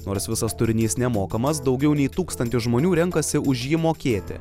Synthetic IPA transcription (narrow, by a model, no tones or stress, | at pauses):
noːɾsʋʲɪsɐst̪ʊɾʲɪnʲiːsnʲɛmoːkɐmɐs̬d̪ɒʊɡʲɛʊnʲɛɪt̪uːkst̪ɐnʲt̪ʲʊʒmoːnʲuːɾʲɛŋkɐsʲɪʊʒʲjiːmoːkʲeːt̪ʲɪ̰